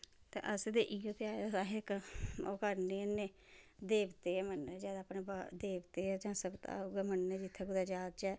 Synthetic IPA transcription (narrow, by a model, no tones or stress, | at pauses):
t̪ḛːʔəsd̪eːʔiːot̪eːaːed̪asaːɦɪkoːkəɾneːnːeː | d̪eːbt̪eːɛːmənːed͡ʒɛːd̪aːpneːbad̪eːbt̪eːɛːd͡ʒãːsəbt̪a̰ɡɛːmənːeːd͡ʒɪt̪ʰːɛːɡʊd̪aːd͡ʒaːd̪̚t͡ʃɛː